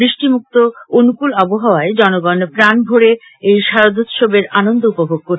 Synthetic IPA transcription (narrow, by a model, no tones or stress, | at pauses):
bɾiʃʈimuk̚t̪oonukulɔboɦaoaed͡ʑɔnoɡɔnpɾanbʱoɾe | ejʃaɾod̪ʱot̪ʃobeɾanond̪oupobʱoɡ̚koɾ